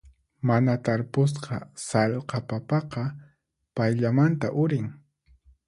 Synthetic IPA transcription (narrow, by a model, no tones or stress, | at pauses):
manat̪aɾpʊs̬qɑsaʎqɑpapɑqɑ | pajʎamant̪aʔʊɾɪŋ